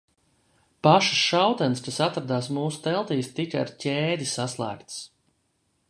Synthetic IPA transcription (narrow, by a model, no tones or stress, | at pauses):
paʃu̥sʃawt̪ɛnskasat̪ɾad̪aːs̬muːsu̥t̪ɛlˠt̪iːst̪ikaa̰ɾcʲɛːd̪ʲisaslˠæ̰ːkt̪s